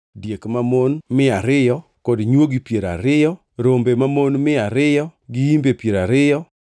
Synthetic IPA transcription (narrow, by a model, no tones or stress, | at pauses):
djekmamonmɪaɾɪjɔ | kɔdɲwoɡipjeɾa̰ɾɪjɔ | ɾombemamonmɪaɾɪjɔɡɪimbepjeɾaɾɪjɔ